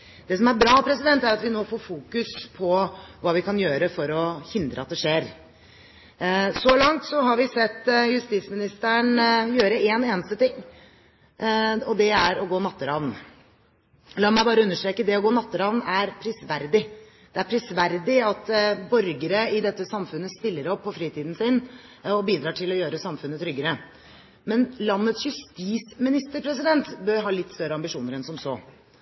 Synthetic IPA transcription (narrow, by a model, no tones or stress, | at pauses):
d̪̥ɛsɔmæɾbɾɑːpʰɾɛsɪd̪ɛnt̪æɾɑt̪ʋɪnoːfoːɾfuːkʉspʰɔʋɑːʋɪkɑnjøːɾəfɔɾɔhɪnd̪ɾə̰ɑt̪̚d̪ɛʂeːɾ | sɔlɑŋt̪sɔɦɑɾʋɪsɛt̪ːjʉst̪it̪smɪnɪst̪əɳjøːɾəeːneːnəst̪ət̪ɪŋː | ɔd̪ɛæɾɔɡoːnɑt̪ːəɾɑʋn | lɑːmæɪbɑːɾəʉnːəʂʈɾeːkəd̪ɛɔɡoːnɑt̪ːəɾɑʋnæɾpʰɾɪsʋæɾd̪ɪ | d̪̥ɛæɾpʰɾɪsʋæɾd̪ɪɑt̪bœɾɡəɾəɪd̪ɛt̪ːəsɑmfʉnːəst̪ɪlːəɾɔpʰːɔfɾiːt̪ʰiːd̪n̩sɪnɔbiːd̪ɾɑːʈʰɪlɔjøːɾəsɑmfʉnːət̪ʰɾʏɡːəɾə | mɛnlɑnːət̪sjʉst̪iːsmɪnɪst̪əɾpʰɾɛs̬ɪd̪ɛnt̪bøɾɦɑːlɪt̪ːst̪œɾːəɑmbɪʂuːnəɾɛnsɔmsoː